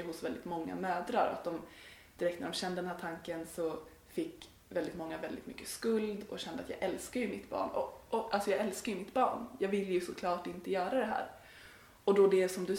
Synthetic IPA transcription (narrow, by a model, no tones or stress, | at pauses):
əɦʊsvɛld̪ɪt̪mɔŋːa̰møːd̪ɾaɾɔ̰a̰t̪̚d̪ɔm | d̪̥ɪɾɛkt̪næɖɔmɕɛnd̪əd̪ɛnhæːʈ̪ʰaŋkənsɔ | fɪkː | vɛld̪ɪt̪mɔŋːavɛld̪ɪ̰t̪mʏkːəskɵld̪ɔɕɛnd̪əa̰t̪jɑ̰ːɡɛlskajɵmɪt̪bɑ̰ːɳɔ̰ɔʔalsɔjɑːɡɛlskajɵmɪt̪bɑ̰ːɳjɑːɡvɪlːjɵsɔkʰlɑːʈɪnt̪əjœːɾad̪ɛɦæ̰ːɾ | ɔd̪ɔd̪ɛsɔmd̪ɵ